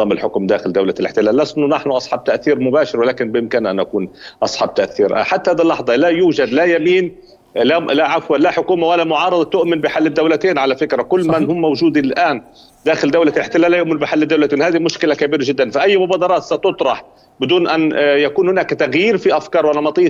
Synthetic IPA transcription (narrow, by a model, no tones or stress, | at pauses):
ɑːmɪlħʊkmd̪aːxɪld̪awlalʔɪ̰ħt̪ɪlaːlːasnʊnaħnʊʔɑsˤħɑb̚t̪aʔθiːɾmʊbaːʃɪɾwɪlaːkɪnbjɪmkɪnʔanʔakuːnʔɑsˤħɑb̚t̪aʔθiːɾħat̪ːahaːd̪ilːɑħðˤɑlajuːʒad̪lajamiːn | lalaʕafwalaħʊkuːmawalːamʊʕɑːɾɨd̪ˤɑt̪ʊʔmɪnbɪħalːɪd̪ːawlat̪eːnʕalafɪkɾakʊlːmanhʊmːawʒuːd̪iɪlʔaːn | d̪aːxɪld̪awlalɪħt̪ɪlaːljʊʔmɪnbɪħalːɪd̪ːawlat̪eːnhaːd̪imʊʃkɪlakabiːɾaʒɪd̪ːanfiʔajːmʊbaːd̪ɑɾˤɑːt̪sat̪ʊt̪ˤɾˤɑħ | bɪd̪uːnʔanjakuːnhʊnaːkt̪aɣjiːɾfiʔafkɑːɾˤwalːamɑt̪ˤiː